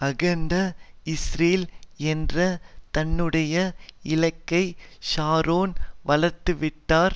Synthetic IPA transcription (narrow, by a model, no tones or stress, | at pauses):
ɐɣɐnd̪ɐɪsriːlɛndrɐt̪ɐnːɯɽɐjɐɪlɐkːɐɪʃaːɾoːnʋɐlɐɾt̪ːɯʋɪʈːaːɾ